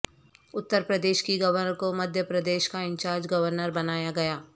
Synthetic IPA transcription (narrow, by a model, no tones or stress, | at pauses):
ʊt̪ːəɾpɾəd̪eːʃkiɡɐʋəɾnəɾkomɐd̪ʱjəpɾɐd̪eːʃkaɪ̃ɲt͡ʃaːɾd͡ʒɡɐʋəɾnəɾbɐnaːjaɡɐjaː